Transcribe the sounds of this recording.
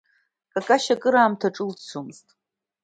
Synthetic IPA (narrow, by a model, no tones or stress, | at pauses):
kʼakʼaʃakʼɨɾaːmtʰaʈ͡ʂʼɨlt͡sʰumztʼ